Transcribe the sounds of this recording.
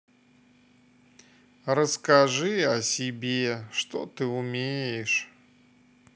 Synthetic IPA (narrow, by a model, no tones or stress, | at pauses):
rəskaʐɨɐsʲibʲeʂt̪ɔt̪ɨumʲejɛʂ